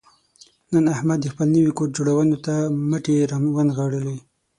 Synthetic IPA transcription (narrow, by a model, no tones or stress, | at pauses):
nənahmad̪ːəxpəlnəwikoʈ̚d͡ʒoɽawənot̪amaʈeɾamwanɣɑɽəlo